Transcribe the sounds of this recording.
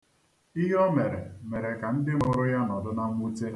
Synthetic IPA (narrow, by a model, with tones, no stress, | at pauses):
i˦ɦɔ˦me˨ɾe˨me˨ɾe˨ka˨n̩˦dɪ˦mʊ˨ɾʊ˦ja˦nɔ˨dʊ˦na˦m˦u˦te˦